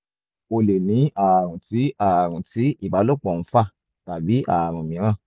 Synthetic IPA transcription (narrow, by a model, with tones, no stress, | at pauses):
o˧le˨nĩ˨˦a˨ɾ̃ũ˨ti˨˦a˨ɾ̃ũ˨ti˨˦i˦˨ba˨˦lo˦˨k͡pɔ˨ñ̩˨˦fa˦˨ | ta˨bi˨˦a̰˨ɾ̃ũ˨mĩ˨˦ɾ̃ã˦˨